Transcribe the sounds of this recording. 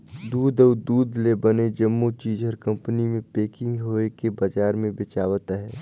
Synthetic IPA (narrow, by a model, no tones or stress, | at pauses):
d̪uːd̪ɔːɾd̪uːd̪lebəned͡ʒəmːut͡ʃiːd͡ʒəɾkə̃mpənimẽpeːkɪ̃ŋɡɦoːekebəd͡ʒaːɾmẽbɪt͡ʃaːwət̪ɦɛː